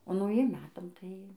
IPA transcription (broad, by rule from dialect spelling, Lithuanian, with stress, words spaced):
oː nɐʊˈjiɛm ˈmʲæːtɐm tɐɪ